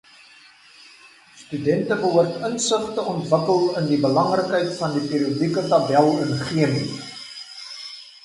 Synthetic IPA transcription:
stydɛntəbəɦuərtənsəχtəʔɔntvəkəlˠəndibəlɐŋrəkɦəjtfɐndipiːɾiədikətɐbɛlˠənχiəmi

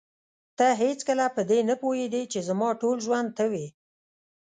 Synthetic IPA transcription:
t̪aɦet͡skəlapəd̪enapohed̪it͡ʃezamɑʈolʒwand̪̚t̪əwi

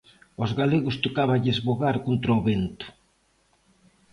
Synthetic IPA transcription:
ozɣaleɣʊst̪okaβaʎezβoɣaɾkont̪ɾaoβent̪ʊ̥

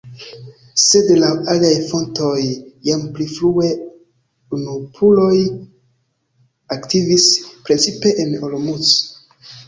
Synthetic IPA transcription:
se̞dlawaliajfo̞nto̞jːampliflue̞ | unupʰulo̞j | aktivispɾet͡sipe̞ʔenolomut͡s

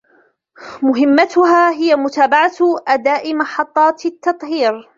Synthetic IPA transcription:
mʊɦɪmːat̪ʊɦaːɦɪjamʊt̪aːbaʕat̪ʔad̪aːʔɪmɑħɑt̪ˤːɑːt̪t̪ːɑt̪ˤhiːɾ

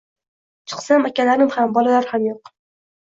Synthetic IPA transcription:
t͡ʃʰɨ̥qsamakʲalaɾɪmhambɒlalaɾhamjoq

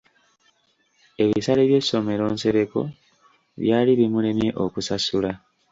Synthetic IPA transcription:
e̞βisaleβje̞so̞me̞ɾo̞ːnse̞ɾeko̞̰ | βjaːliβimule̞mje̞ʔokusasula

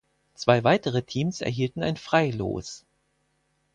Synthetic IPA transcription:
t͡sv̥aɪvaɪtəʁ̞ətʰiːmsɛ̰ɐɦiːltn̩a̰ɪnfʁ̥aɪlo̰ːs

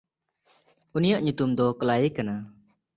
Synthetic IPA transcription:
unijaʔɲut̪umd̪ɔkəlajkana

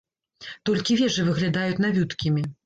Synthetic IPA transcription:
t̪ɔlʲkʲivʲɛʐɨvɨɣlʲad̪ajut͡sʲnavʲut̪kʲimʲi

